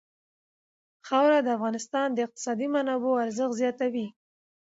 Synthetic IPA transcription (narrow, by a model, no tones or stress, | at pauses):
xawɾad̪əafɣɑnɪst̪ɑnd̪əɪq̚t̪ɪ̥sɑd̪imanɑboaɾzəxzjɑt̪awi